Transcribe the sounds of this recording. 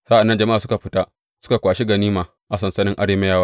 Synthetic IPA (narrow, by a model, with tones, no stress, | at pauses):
sa˦ʔa˨nːɐ˦nd͡ʒɐ˨ma˦ʔaː˨sʊ˦ka˨ɸɪ˦ta˦ʔ | sʊ̥˦ka˨kʷaː˨ʃi˦ɡɐ˨niː˦maː˨ | ʔa˨s̬ɐ˨nsɐ˦nɪ˦ŋʔa˦ɽeː˦me˦jaː˦waː˦